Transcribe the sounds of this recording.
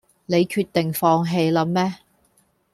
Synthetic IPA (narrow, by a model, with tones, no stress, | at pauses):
ne˨˧jkʰyː˧t̪̚ɪ˨ŋfɔː˧ŋɦe˧jlɐ˨˥mːɛː˥